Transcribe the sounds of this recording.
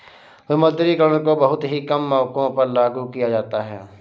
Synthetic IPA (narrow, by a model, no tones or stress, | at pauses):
ʊməd̪ɾikəɾəñkobɐɦʊt̪ɦikɐmːɔːkõpɐɾlaːɡukijad͡ʒaːt̪aɦɛ̰ː